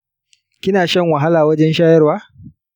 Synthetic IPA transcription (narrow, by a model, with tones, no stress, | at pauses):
kʲɪ˦naː˨ʃɐ˦˨ŋwɐ˨ɦa˦laː˨wɐ˦d͡ʒɛ˦nʃaː˦jɐ˦rwaː˦